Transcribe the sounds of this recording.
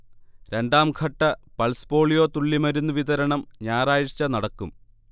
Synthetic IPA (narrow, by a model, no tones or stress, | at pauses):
ɾe̞nɖaːmkʰɐʈːɐpɐlspo̞ːɭijo̞ːt̪uɭːimɐɾunːuʋiðɐɾɐɳɐmɲaːraːjɐt͡ɕːɐnɐɽɐkːum